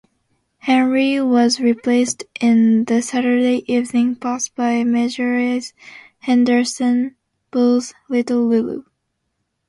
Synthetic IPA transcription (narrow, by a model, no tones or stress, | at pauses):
hɛ̃nɹiwʌzɹipʰl̥eɪstʔɪ̃nðɨsæɾə˞deɪʔivnɪ̃ŋpʰɔsb̥aɪmɛd͡ʒə˞iz | hɛ̃ndə˞sɨ̃n | b̥ʊlˠzlɪɾl̩ˠlɪlṵ